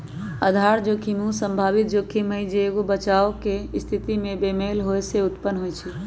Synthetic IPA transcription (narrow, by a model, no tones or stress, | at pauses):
əd̪ʱaɾd͡ʒokʰimũsəmbʱabit̪̚d͡ʒokʰiməjd͡ʒeːɡobət͡ʃaokest̪ʰit̪imebemelɦojseut̪pənːɦojt͡ʃʰi